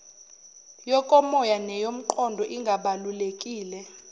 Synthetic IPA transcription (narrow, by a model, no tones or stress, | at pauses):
jɔkʼɔmɔjanɛjom̩ǃɔndʱɔʔiŋɡʱaɓalulekʼiːlɛ